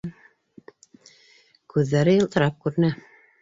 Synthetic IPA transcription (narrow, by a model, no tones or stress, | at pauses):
kʉðːæɾɘjɤ̆lˠt̪ɤ̆ɾɑp̚kʉɾɘ̆næ